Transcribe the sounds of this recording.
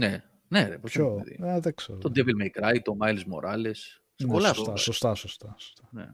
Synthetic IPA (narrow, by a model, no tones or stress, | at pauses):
ne̞ | neposçoðḭɐðekseɾt̪od̪evelmejkɾɐj̚t̪o̞mɐjlezmo̞̰ɾɐle̞s | sepolɐt̪ɐsost̪ɐsost̪ɐso̥st̪ɐnḛ